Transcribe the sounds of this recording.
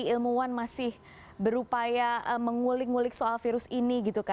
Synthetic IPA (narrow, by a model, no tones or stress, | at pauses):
iilmuanmasɪh | bəɾupajaəməŋulɪk̚ŋulɪk̚soalfiɾʊsiniɡit̪uka